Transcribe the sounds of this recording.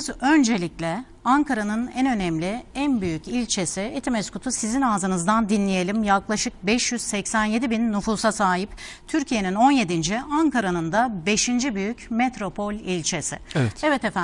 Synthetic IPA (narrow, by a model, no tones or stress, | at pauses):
zø̞nd͡ʒe̞lʲiclʲɛ | aŋkʰaɾanɯnɛnø̞nɛmlʲɪænbyjycilʲt͡ʃʰe̞sɪet̪ʰimɛskut̪ʰusizinaːzɯnɯzd̪and̪inlʲije̞lʲimjaklˠaʃɯk̚bɛʃjyz̥sɛcsænje̞d̪ibinːufuːsasaːɦipt̪ʰyɾcʰije̞nino̞nje̞d̪ind͡ʒiaŋkaɾanɯnd̪abe̞ʃind͡ʒibyjycmet̪ɾo̞pʰo̞lʲilʲt͡ʃʰe̞sɪ̰ɛɛvɛt̪efæ